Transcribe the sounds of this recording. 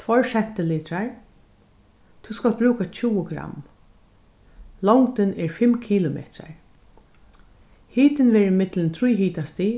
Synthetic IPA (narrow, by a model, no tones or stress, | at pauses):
t̪ʰfɔɹʃɛt̪ːɪliːt̪ɾaɹ | t̪ʰuskalt̪̚bɾuːkat͡ʃʰuːəɡɾa̰m | lɔŋkt̪ɪnɛɹfɪmkʰiːlʊmɛ̰ːt̪ɾa̰ɹ | hiːt̪ɪnʋɛːɾɪmɪt̪lɪnt̪ʰɾujɦiːt̪ast̪i